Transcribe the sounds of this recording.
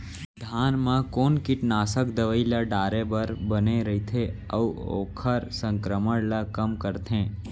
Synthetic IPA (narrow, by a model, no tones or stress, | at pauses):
d̪ʱaːnmãkoːnkɪʈnaːsəkd̪əʋəilaɖaːɾebəɾbəneɾəit̪ʰe | əʋuo̰ːkʰəɾsə̃ŋkɾəməɽlakəmkəɾt̪ʰẽː